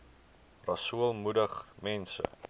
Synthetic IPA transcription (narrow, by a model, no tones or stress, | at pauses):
rɐsuəlˠmudəχmɛnsə̰